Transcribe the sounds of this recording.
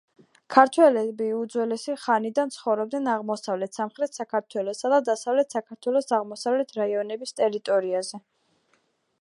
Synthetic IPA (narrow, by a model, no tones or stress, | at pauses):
kʰaɾt̪ʰwɛlɛbiud̪zwɛlɛsiχanid̪ant̪sʰχɔvɾɔb̚d̪nɛnaʁmɔsavlɛt̪ʰsamχɾɛt̪ʰsakʰaɾt̪ʰwɛlˠɔsad̪ad̪asavlɛt̪ʰsakʰaɾt̪ʰwɛlˠɔsaʁmɔsavlɛt̪ʰɾaiɔnɛbist̪ʼɛɾit̪ʼɔɾiazɛ